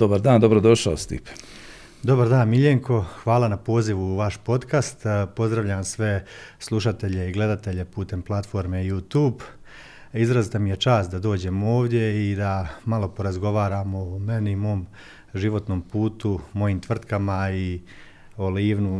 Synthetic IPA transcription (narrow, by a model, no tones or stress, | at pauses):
d̪̥obaɾd̪aːnd̪obɾod̪o̞ʃaost̪ḭp | d̪o̞baɾd̪aːnmiʎeŋkʰo̞xʋaːlˠanapo̞ːziʋuːʋaʃpo̞t̪kast̪po̞zd̪ɾaʋʎaːmsʋe̞slˠuʃat̪e̞ʎe̞iɡle̞d̪at̪e̞ʎe̞puːt̪e̞mplˠat̪fo̞ɾme̞jut̪uːb | izɾazit̪amije̞t͡ʃaːsd̪ad̪o̞ːd͡ʑe̞mooːʋd̪je̞id̪amalo̞po̞ɾazɡo̞ʋaːɾamoːme̞niimo̞ːm | ʒiʋo̞t̪no̞ːmpuːt̪umo̞jiːmt̪ʋr̩t̪kamai | oliːʋnu